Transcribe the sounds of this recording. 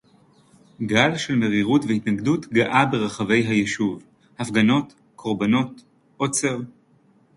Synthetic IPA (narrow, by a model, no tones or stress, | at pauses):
ɡalʃe̞lme̞ʁiʁutvehitnaɡdutɡaʔabe̞ʁaχave̞jɦajeʃuv | hafɡano̞t | kʰo̞ʁbano̞t | ʔot͡seʁ